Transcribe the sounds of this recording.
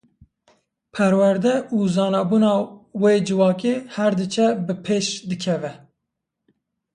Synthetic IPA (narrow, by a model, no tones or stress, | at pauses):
pʰɛɾwæɾd̪ɛuːzɑːnɑːbuːnɑːweːd͡ʒɨvɑːkeːhɛɾd̪ɨt͡ʃʰɛbɨpʰeːʃd̪ɨkʰɛvɛ